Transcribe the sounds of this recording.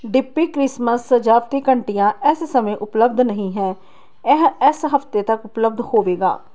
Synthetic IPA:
ɖɪpːiːkɾɪsməsːəd͡ʒaːpt̪iːkəɳʈijãːɪssəmẽːʔʊpləbd̪nəɦĩːɦɛ̃ː | ɛɦɪsɦəft̪eːt̪əkʊpləb̚d̪hoːʋeːɡa̰ː

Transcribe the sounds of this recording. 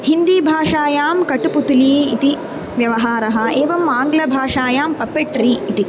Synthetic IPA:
hind̪iːbʱaːʂaːjaːmkɐʈuput̪uliːt̪i | ʋjɐʋɐɦaːɾɐɦɐ̆eːʋɐmaːŋɡlɐbʱaːʂaːjaːmpɐpːeʈɾiːt̪i

